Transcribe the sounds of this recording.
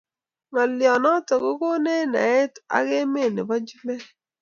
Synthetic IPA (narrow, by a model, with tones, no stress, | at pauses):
ŋa˨ljɔ˨nɔ˦tɔ˨ko˦ko˦ne˦na̰˨ɛ˦ta̰˦ɡe˦me˦˨nɪ̰˨ba˦d͡ʒi˦mɛ˦